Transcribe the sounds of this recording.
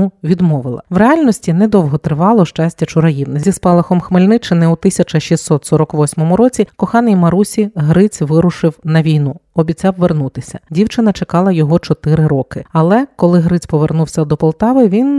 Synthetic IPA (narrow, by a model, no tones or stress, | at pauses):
uʋʲid̪mɔʋɪlˠɐ̰wɾeɑlʲnɔsʲtʲinɛd̪ɔwɦɔt̪ɾɪʋɑlˠɔʃt͡ʃasʲtʲːɐt͡ʃʊɾɐjiwnɪzʲispɑlˠɐxɔmxmɪlʲnɪt͡ʃɪnɛut̪ɪsʲɐt͡ʃɐʃisːɔt̪sɔɾɔkʋɔsʲmɔmʊɾɔt͡sʲikɔxɑnɪjmɐɾusʲiɦɾɪt͡sʲʋɪɾʊʃɪwnɐʋʲijnuɔbʲit͡sʲawʋernut̪ɪsʲɐ̥̰dʲiwt͡ʃɪnɐt͡ʃekɑlˠɐjɔɦɔt͡ʃɔt̪ɪɾɪɾɔkɪɐlˠɛkɔlˠɪɦɾɪt͡sʲpɔʋernuwsʲɐd̪ɔpɔlˠt̪ɑʋɪʋʲin